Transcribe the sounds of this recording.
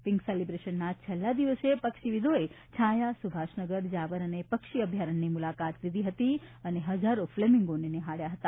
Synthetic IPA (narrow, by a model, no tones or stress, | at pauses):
pɪŋkselibɾeʃənːat͡ʃʰəlːad̪iʋəsepəkʃiʋid̪ʱoe | t͡ʃʰãjasubʱaʃnəɡəɾd͡ʒaʋəɾənepəkʃiəbʱjaɾəɳːimulakat̪lid̪ʱiɦət̪iəneɦəd͡ʒaɾoflemĩŋɡoɳineɦaɽjaɦət̪a